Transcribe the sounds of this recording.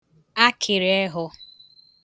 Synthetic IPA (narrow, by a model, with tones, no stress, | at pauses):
a˦kʰɪ˨ɾe˦ɦʊ˦